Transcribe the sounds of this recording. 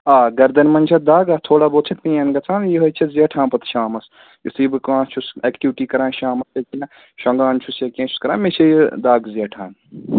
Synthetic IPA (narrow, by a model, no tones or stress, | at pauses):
aːɡɐɾd̪ɐnmɐnʲt͡ʃʰɐd̪aːɡaːt̪ʰoːɽaːboːt̪t͡ʃʰɐt̪mĩjɐnɡɐt͡sʰaːnjiɦɐt͡ʃʰɐzijɐʈʰãːnpɐt̪ʃaːmɐs | jisibɨkãːt͡ʃʰusɛkʈiʋʈiːkɐɾãːnʃaːmɐsjɐkʲinɐ | ʃɐŋɡaːnt͡ʃʰusjɐkʲẽːt͡ʃʰu̥skɐɾãːnmet͡ʃʰɐjd̪aːɡzijɐʈʰaːn